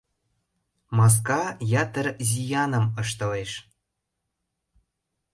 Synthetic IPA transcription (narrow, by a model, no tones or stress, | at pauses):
mɑs̬kɑjɑt̪ə̆rzʲijɑnɤ̆mɤʃt̪ɤ̆leʃ